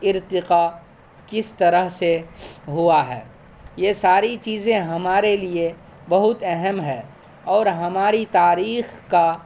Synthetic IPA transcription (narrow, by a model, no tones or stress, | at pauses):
ɪɾt̪ɪqa | kɪst̪ɐɾəɦseɦʊaɦɛ̰ː | jesaːɾit͡ʃiːzẽɦɐmaːɾelie | bɐɦʊt̪ɛɦɛmɦɛ̃ː | ɔːɾɦɐmaːɾit̪aːɾiːxka